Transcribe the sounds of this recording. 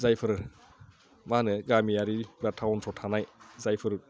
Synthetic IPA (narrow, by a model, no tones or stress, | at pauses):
zajpʰɯɾɯ | manɯɡamijaɾibatʰawɔntʰɔtʰanajzajpʰɯɾɯ